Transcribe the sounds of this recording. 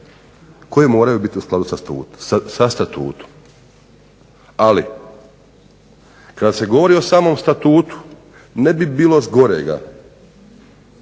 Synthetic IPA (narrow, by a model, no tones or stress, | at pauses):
ko̞jemo̞ːɾajubit̪iusklad̪usast̪ṵːsast̪at̪ṵːt̪o̥m | alḭ | kad̪ase̞ɡo̞ʋo̞ɾio̞saːmo̞ːmst̪at̪uːt̪u̥ | nebibiːlˠo̞zɡo̞ɾḛɡa̰